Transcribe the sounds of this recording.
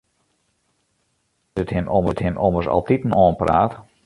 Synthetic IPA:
əthɪmɔməthɪmʔɔ̰mərsɑ̰lˠtitn̩ɔːnpra̰ːt

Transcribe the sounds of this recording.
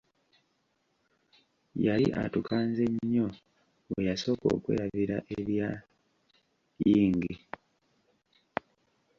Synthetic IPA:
jalḭʔa̰tukʰaːnze̞ɲːo̞ | wejaso̞ːko̞̰ːkwḛːjaβiɾaʔeβja | jiːŋɡi

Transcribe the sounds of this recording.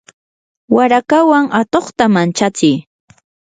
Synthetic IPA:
waɾakawaŋat̪oχt̪amant͡ʃat͡sɪj

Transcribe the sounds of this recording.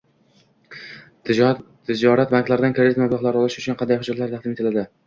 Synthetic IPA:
t̪ʰɪd͡ʒɒɾat̪̚baŋkʲlaɾɪd̪ankʰʲɾad̪ɪt̪mablˠɒχlˠaɾɪɒlˠɪʃʊt͡ʃʰʊnqʰɑnd̪ajχʊd͡ʒat̪laɾt̪ʰɑχd̪ɪmet̪ʰɪlad̪ɪ

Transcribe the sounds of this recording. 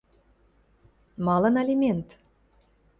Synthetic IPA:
mɑlɤ̆nelʲimʲent̪

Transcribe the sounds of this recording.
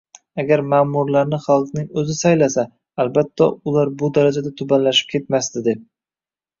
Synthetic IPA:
aɡʲaɾmaːmʊɾlaɾnɪχɑlˠqnɪŋɵzɪsajlasaː | lbat̪ʰːa̰ʊlaɾbʊd̪aɾad͡ʒad̪at̪ʰʊbanlaʃɪ̥p̚kʲʰe̞t̪mast̪ɪd̪e̞p̚

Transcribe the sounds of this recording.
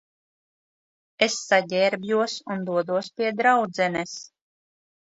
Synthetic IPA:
esːaɟʲɛːɾbjuɔsund̪uɔd̪uɔspiɛd̪ɾawd̪zɛnɛs

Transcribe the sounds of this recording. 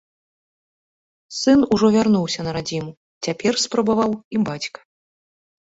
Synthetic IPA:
sɨnuʐɔvʲarnuwsʲɐnɐɾad͡zʲimu | t͡sʲapʲɛrspɾɐbavawibat͡sʲkɐ̥

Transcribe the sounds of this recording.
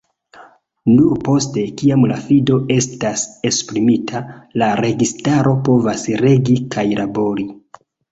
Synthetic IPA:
nuɾpo̞ste̞kiamlafido̞e̞stase̞spɾimitʰalaɾe̞ɡistaɾʔo̞po̞vasɾe̞ɡikʰajlabo̞ɾi

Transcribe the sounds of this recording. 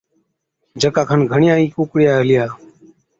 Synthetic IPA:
d͡ʒʱəkaːkʰanɡʱəɳɪjãːĩːkoːkɽjaːɦelɪjaː

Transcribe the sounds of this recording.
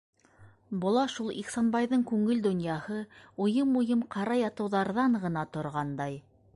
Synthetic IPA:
bŏlˠɑʃulˠḭqsɑnbɑjðɤŋkʉŋɘld̪ŏnjɑhɤujɤmujɤmqʰɑɾɑjɑt̪ɤ̆wðɑɾðɑɴʁɤ̆nɑt̪ŏɾʁɑnd̪ɑj

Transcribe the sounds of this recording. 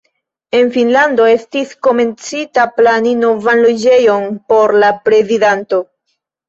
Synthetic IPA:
e̞nfinlando̞e̞stisko̞me̞nt͡sitaplanino̞vanlo̞d͡ʒe̞jo̞npo̞ɾlapɾe̞zidanto̞

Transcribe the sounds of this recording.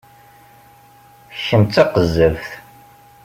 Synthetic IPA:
çəmt̪ːɑqəzːəvθ

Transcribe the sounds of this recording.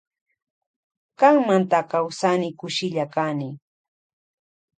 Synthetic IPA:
kaŋmant̪akawsanɪkʊʃɪʎakanɪ

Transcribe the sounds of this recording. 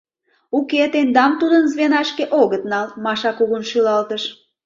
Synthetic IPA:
uket̪end̪ɑmt̪ud̪ənzβenɑʃkeʔoɣət̪̚nɑlmɑʃɑkuɣunʃylɑlt̪əʃ

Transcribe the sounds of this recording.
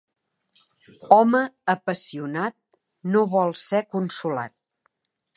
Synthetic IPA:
ɔməəpəsiunat̪̚ | noβɔlˠsɛkunsula̰t̪̚

